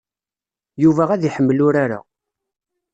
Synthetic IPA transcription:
juvææðiħəmːlʊɾaɾa̰

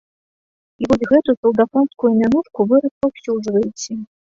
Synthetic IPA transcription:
ivɔzʲɣɛt̪usɐlˠd̪afɔnskujumʲanuʂkuvɨɾɐspawsʲuʐvɐjet͡sʲɛ

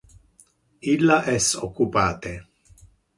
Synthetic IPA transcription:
ilːaʔɛsokːupaːt̪e

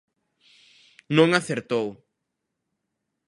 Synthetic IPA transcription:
nõŋaθeɾt̪ow

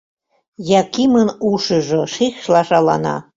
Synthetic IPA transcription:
jɑkimənuʃɤ̆ʒoʃexʃlɑʃɑlɑ̰nɑ̰

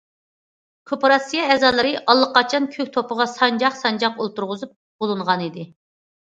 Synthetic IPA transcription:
kʰopɾɑsijɑɛzɑlˠɨɾɨʔɑlˠːəqːɑt͡ʃʰɑnkʲʰøk̚ʲt̪ʰopəʁɑsɑnd͡ʒɑχsɑnd͡ʒɑqolˠt̪uɾʁʊzup̚ | bolˠɨnʁɑnid̪ɪ

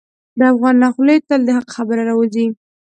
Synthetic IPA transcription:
d̪əafɣɑnːɑxləjt̪əld̪əɦaqxabəɾaɾɑwəzi

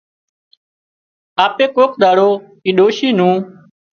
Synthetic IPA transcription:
aːpeːkoːkɗ̪aːɽoː | iːɗoːʃiːnũː

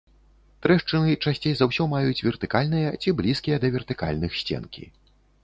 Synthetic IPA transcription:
t̪ɾɛʂt͡ʂɨnɨt͡ʂasʲt͡sʲejzawsʲɔmajut͡sʲvʲɛrt̪ɨkalʲnɨjɐt͡sʲiblʲiskʲijɐd̪ɐvʲɛrt̪ɨka̰lʲnɨxsʲt͡sʲɛ̰nkʲḭ

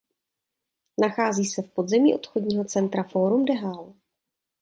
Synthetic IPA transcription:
naxaːziːsɛfpo̞d̪zɛmiːʔo̞t̪xodɲiːɦo̞t͡sɛnt̪ɾafo̞ɾumdɛɦal

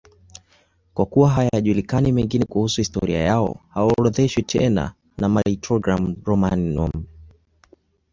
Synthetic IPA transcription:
kwakuwaɦajaʄulikanimɛŋɡinɛkuhusuhistɔ̰ɾia̰jaɔ̰hawaɔɾɔðɛʃwitʰɛna̰ | namaɾitɾɔɡɾamɾɔmanːɔm

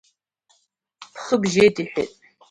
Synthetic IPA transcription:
pχəbʒeːdiːħɪ̰tʼ

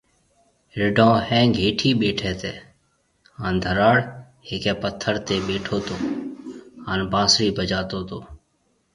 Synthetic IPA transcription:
ɾɪɖõːhɛ̃ːɡʱeːʈʰiːɓeːʈʰɛːt̪eː | ɦaːnd̪ʱəɾaːɽ | ɦeːkɛ̃ːpət̪ʰːəɾt̪eːɓeːʈʰoːt̪oː | ɦaːnbãːsɾiːbʱəd͡ʒaːt̪oːt̪oː

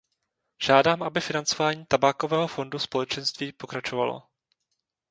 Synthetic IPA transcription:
ʒ̥aːdaːmʔabɪfɪnant͡so̞vaːɲiːt̪abaːko̞vɛːɦofo̞nduspolɛt͡ʃɛnst̪viːpo̞kɾat͡ʃovalo̰

